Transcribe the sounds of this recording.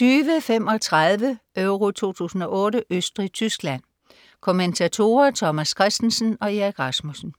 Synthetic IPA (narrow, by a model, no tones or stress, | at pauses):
t͡syːʋəfem̰ɒ̽t͡sʰʁað̞ˠʋəʔøʊʁo̝t͡sʰo̝̰ːt͡sʰṵːsn̩ɒ̽ʔɔ̽ːɾəʔøsd̥ʁit͡sʰysɡ̥læn̰ | kʰo̝ment͡sʰæt͡sʰo̝̰ːɐt͡sʰɒ̽mæskʰʁasd̥n̩sn̩ɒ̽eɡ̥ʁɑsmusn̩